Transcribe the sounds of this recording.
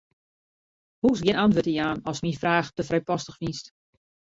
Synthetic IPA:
husɡjɪnantʋøtijaːnɔsmifraːxtəfrɛjpɔstəxfist

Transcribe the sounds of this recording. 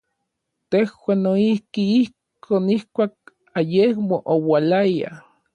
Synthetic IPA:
t̪ehwaːnːoihkiihkʰoːnihkʷaːk̚ | ajehmoʔowalaja̰

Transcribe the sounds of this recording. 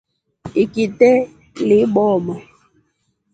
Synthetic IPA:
ikitɛ | liɓɔmɔ

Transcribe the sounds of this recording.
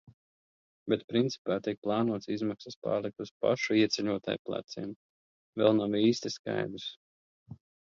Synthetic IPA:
bet̪pɾint̪si̥paːt̪ik̚plˠɑːnuɔt̪sizmaksaspa̰ːɾlik̚t̪uspa̰ʃuiɛt̪sʲɛʎuɔt̪a̰jplˠa̰t̪sḭɛm | vɛ̰lˠnawiːst̪iska̰jd̪ɾs

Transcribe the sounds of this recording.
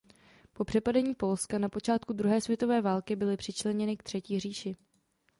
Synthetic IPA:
po̞pr̥ɛpadɛɲiːpo̞lskanapo̞t͡ʃaːt̪kud̪ɾuɦɛːsvjɛt̪o̞vɛːvaːlkɪbɪlɪpr̥ɪt͡ʃlɛɲɛnɪkt̪r̝̥ɛciːr̝iːʃɪ

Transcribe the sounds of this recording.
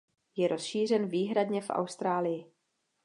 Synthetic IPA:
jɛɾo̞sʃiːr̝ɛnviːɦɾad̪ɲɛfʔa̰wst̪ɾaːlɪjɪ

